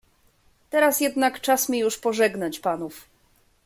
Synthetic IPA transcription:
t̪ɛɾasjɛd̪nakt͡ʂasmʲjɛjuʂpɔʐɛɡnat͡ɕpanuf

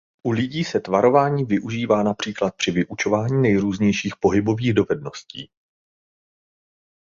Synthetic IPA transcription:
ʔulɪɟiːsɛt̪vaɾo̞vaːɲiːvɪʔuʒiːvaːnapr̝̥iːklat̪̚pr̥ɪvɪʔut͡ʃo̞vaːɲiːnɛjɾuːzɲɛjʃiːxpo̞ɦɪbo̞viːɣdo̞vɛdno̞scḭː

